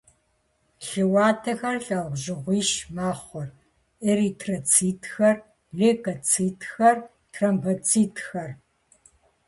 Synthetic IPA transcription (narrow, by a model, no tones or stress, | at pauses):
ɬɨwɑːtʰɐxɐrɬʼɐʁʷʑɪʁʷiːʃmaːχʷɔr | eɾiːtʰrɐt͡sʰiːtʰxɐr | ɮeːkʼɐt͡sʰiːtxɐr | tʰrɐmbɐt͡sʰʼiːtʰxɐr